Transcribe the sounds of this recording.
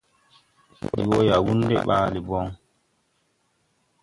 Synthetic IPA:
ḭ˨wo˦ja˨wu˦ndɛ̰˦ɓa̰ː˦li˨bɔ˦ŋ

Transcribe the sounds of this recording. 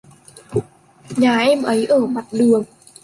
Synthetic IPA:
ɲaː˨˩ʔɛ˧mʔə˨˦jʔəː˧˩ma˨˩t̚ɗɨ˨˩əŋ

